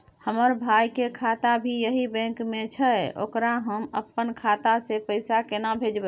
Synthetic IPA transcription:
həməɾbʱajkekʰat̪abʱijəɦibɛ̃ŋkmẽt͡ʃʰəo̰kɾaɦəməpːənkʰat̪asepəɪsakenabʱed͡ʒbə

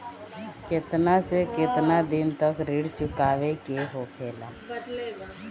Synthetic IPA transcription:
kɪt̪nasekɪt̪nad̪ɪnt̪əkɾɪɽt͡ʃʊkaːʋekeɦokʰɛːlaː

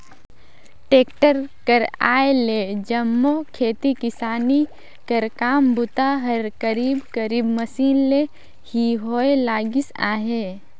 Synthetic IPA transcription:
ʈeːkʈəɾkəɾa̰ːeled͡ʒɐmːokʰeːt̪ikɪsaːni | kɐɾkaːmbʊt̪aɦɐɾkəɾiːbkəɾiːbməsiːnle | hiɦoːelaːɡɪsa̰ːɦeː

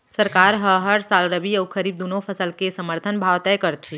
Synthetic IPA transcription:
səɾkaːɾɦəɦəɾsaːlɾəbiɐukʰəɾiːb̚d̪oːnõpʰəsəlkesəməɾt̪ʰənbʱaːʋt̪ɛkəɾt̪ʰi

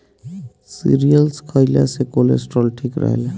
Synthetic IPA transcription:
sḭɾijəlskʰəɪla̰sekolḛsʈɾɔlʈʰikɾə̰ɦḛle

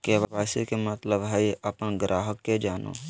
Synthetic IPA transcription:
keʋabaːsikemət̪ləbɦəʔɐpənɡɾʔaːɦəkːed͡ʒaːno̰ː

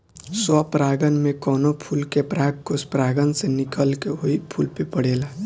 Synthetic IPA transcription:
sɔpɾaɡənmẽkɔnopʰulkepɾaɡkospɾaɡənsenikəlkeɦoipʰulpepəɽela

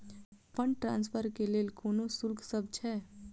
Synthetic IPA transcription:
pəɳʈɾã̰nspʰəɾkelelkoːnosulkʰsəb̚t͡ʃʰɛ

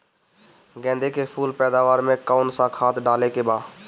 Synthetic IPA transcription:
ɡɛ̃ːnd̪ekepʰuːlpɛːd̪aːʋaːɾmẽkaʊnsãkʰaːt̪ɖaːlekebaː

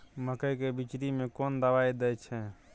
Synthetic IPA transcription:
məkəjkebit͡ʃɾimekond̪əbajd̪ɛt͡ʃʰɛ

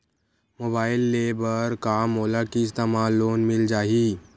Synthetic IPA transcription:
mobailːebəɾkamolakist̪emalːonmild͡ʑaɦiː

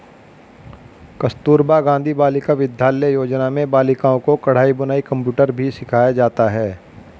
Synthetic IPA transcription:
kɐst̪uːɾbaɡãːnd̪ʱibaːlɪkaʋɪd̪ʱjaːlejoːd͡ʒnamẽbaːlɪkaːõkokɐɽ̤aːibʊnaːikɐ̃mpjuːʈəɾbʱisɪkʰaːjad͡ʒaːt̪aɦɛː

